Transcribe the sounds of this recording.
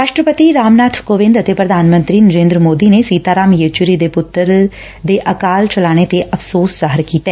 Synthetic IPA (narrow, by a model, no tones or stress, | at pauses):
ɾaːʃʈɾəpət̪iɾaːmnaːt̪ʰkoːʋɪ̃nd̪ət̪epɾəd̪ʱaːnmə̃nt̪ɾiːnəɾẽːnd̪ɾəmoːd̪iːnesiːt̪aːɾaːmjet͡ʃʊɾid̪epʊt̪ːəɾ | d̪eːʔəkaːlt͡ʃəlaːɽ̃et̪eʔəfʰsoːszaːɦəɾkiːt̪ɛː